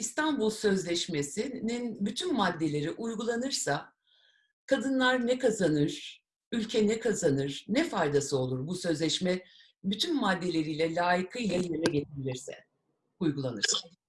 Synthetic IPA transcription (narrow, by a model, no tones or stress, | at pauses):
ist̪ʰanbulˠsø̞zlʲɛʃmesininbyt̪ʰymːad̪ːe̞lʲe̞ɾiʔujɡulˠanɯɾsa | kʰad̪ɯnlˠaɾnɛkʰazanɯɾ̥ | ylʲcʰɛnɛkʰazanɯɾ̥nɛfajd̪asɯo̞lˠuɾbusø̞zlʲɛʃmɛ | byt̪ʰymmad̪ːe̞lʲe̞ɾijlʲɛlʲaːjikʰɯjlˠajemɛɟet̪ʰebilʲiɾsɛ̰ | ujɡulˠanɯɾsḁ